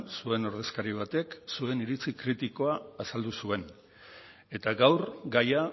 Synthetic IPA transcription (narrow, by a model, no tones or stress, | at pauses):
sue̞no̞ɾðe̞skaɾiβ̞at̪e̞ksue̞niɾit͡sikɾit̪iko̞aːsald̪usue̞n | et̪aɡawɾɡaja